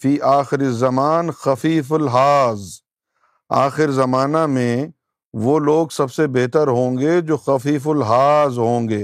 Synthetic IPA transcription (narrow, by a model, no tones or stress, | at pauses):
fiːʔaːxɪɾɪzɐmaːnxɐfiːfʊlɦaːz | aːxɪɾzɐmaːnamẽ | ʋoːloːɡsɐbsebɛɦt̪əɾɦõːŋɡed͡ʒoːxɐfiːfʊlɦaːzɦõːŋɡeː